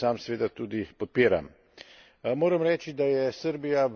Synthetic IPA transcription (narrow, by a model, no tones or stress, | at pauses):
aːmsɛʋeːd̪at̪uːd̪ipɔt̪̚peːɾa̰m | moːɾəmɾɛːt͡ʃid̪ajɛsəɾbija